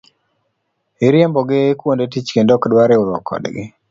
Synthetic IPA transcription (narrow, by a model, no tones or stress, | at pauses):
iɾjembɔɡɪkwondetit͡ʃkendokdwaɾeʊɾɔkʰːɔ̰dɡɪ